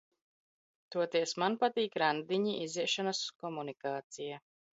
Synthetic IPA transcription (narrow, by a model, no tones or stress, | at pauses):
t̪uɔt̪iɛsmanpat̪iːkɾand̪iɲiʔiziɛʃanaskɔmunikaːt̪sija